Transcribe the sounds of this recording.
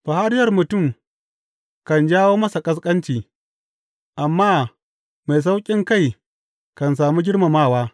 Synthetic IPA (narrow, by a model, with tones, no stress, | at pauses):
ɸa˨ha˦ɾɪ˦jɐ˨rmʊ˨tʊ˦˨m | kɐ˨nd͡ʒaː˦woː˦mɐ˦sa˨kʼɐ˦s̬kʼɐ˦nt͡ʃiː˨ | ʔa˨mːaː˦ | ma˨js̬a˦wkʲʼɪ˦ŋka˦˨j | kɐ˨nsaː˨muː˦ɡʲɪ˦ɽma˨maː˦˨waː˦